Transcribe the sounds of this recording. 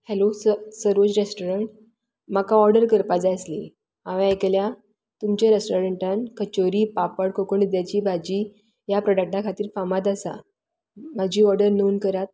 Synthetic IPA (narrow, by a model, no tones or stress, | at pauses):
hɛlossəɾʋot͡sɾesʈoɾəɳʈ | makaɔɾɖəɾkəɾpad͡zaəsli | ãʋeeklja | t̪umt͡ɕaɾesʈoɾəɳʈankət͡ɕoɾiːpapəɽkʰokoɳd̪jat͡ɕiːbʱad͡ʑiː | japɾɔɖək̚ʈakʰat̪iːɾfamat̪̬asa̰ | m̤ad͡ʑiːɔɾɖəɾnonkəɾat̪̚